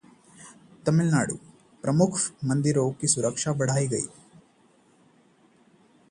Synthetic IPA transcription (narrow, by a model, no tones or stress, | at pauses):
t̪ɐmilna̰ːɽṵ | pɾɐmukʰmɐnd̪iɾoːkisuɾɐkʂaʋɐɽ̤aːjiɡɐ̰i̥